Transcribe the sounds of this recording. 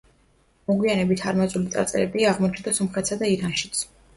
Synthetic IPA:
mɔɡwianɛbit̪ʰaɾmazulit̪sʼa̰ɾt̪sʼɛlɛ̰biaaʁmɔt͡ʃʰd̪asɔmχɛt̪ʰsad̪aiɾanʃi̥t̪sʰ

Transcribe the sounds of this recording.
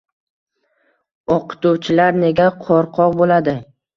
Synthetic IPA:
ɒqɨ̥t̪uwt͡ʃʰɪlaɾne̞ɡʲaqʰɒɾqʰɒʁbolad̪ɪ

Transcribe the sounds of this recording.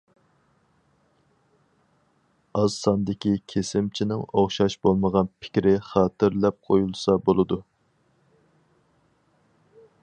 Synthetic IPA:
ɑzsɑnd̪ɪkʲikʲʰesɪmt͡ʃʰinɪŋoχʃɑʃbolˠməʁɑnpʰɪ̥kʲɾɪχɑːt̪ɪɾlɛp̚qʰojulˠsɑbolˠɨd̪u

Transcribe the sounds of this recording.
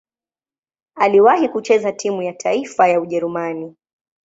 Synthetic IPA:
aliwahikut͡ʃɛzatʰimujatʰaifajauʄɛɾumani

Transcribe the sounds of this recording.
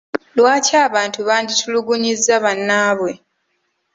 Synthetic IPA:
lwaːcaːβaːntuβaːɲɟitʰuluɡuɲizːaβanːaːβwe̞

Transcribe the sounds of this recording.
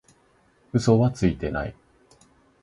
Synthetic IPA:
ɯ̟so̞βat͡sɨit̪e̞na̰ḭ

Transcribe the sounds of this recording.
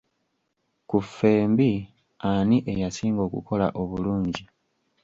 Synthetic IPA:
kufe̞ːmbi | aniʔejasiːŋɡo̞ːkṵkʰo̞la̰ʔo̞βuluːɲɟi

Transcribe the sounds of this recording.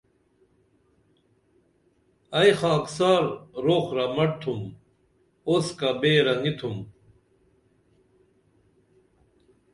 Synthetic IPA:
ɐjxaksaːɾɾoːxɾamɐʈ̚t̪ʰum | oskabeɾɐŋit̪ʰum

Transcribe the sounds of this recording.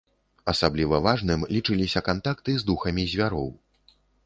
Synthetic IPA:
ɐsablʲivɐvaʐnɨmlʲit͡ʂɨlʲisʲɐkant̪akt̪ɨzd̪uxɐmʲizʲvʲaɾɔ̰w

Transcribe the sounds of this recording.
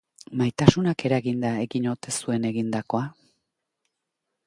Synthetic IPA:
majt̪asunake̞ɾaɣind̪ae̞ɣiɲo̞t̪e̞sue̞ne̞ɣind̪ako̞a

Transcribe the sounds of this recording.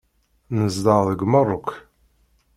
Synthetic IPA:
nəzd̪ɑðəɡmərˤːʊk

